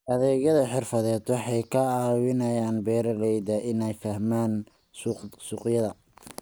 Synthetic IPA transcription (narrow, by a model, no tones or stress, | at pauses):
ʔɐðɛːɣɐðɐħɪrfɐðɛːd̪wɑħɑjkʰɐaːwɪnɐjaːnbɛːɾɐlɛjd̪ɐʔɪnɛjfɐhmaːn | ssuːqjɐðɐ